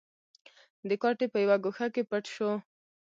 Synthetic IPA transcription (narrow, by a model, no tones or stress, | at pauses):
d̪əkɑʈepəjawaɡoxakepaʈʃo